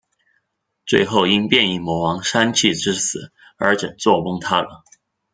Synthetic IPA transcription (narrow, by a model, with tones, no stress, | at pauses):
t͡swe˥˧ɪxo˥˩ʊi˥ŋpjɛ˥˧ni˥˩mwɔ˧˥wɑ˧˥ŋʂa˥nt͡ɕʰi˥˩ʈ͡ʂɻ̩˥sɹ̩˨˩˦ | ə˞˧˥ʈ͡ʂə̰˨˩ŋt͡swɔ˥˧wʊ˥ŋt̪ʰa˥lə˨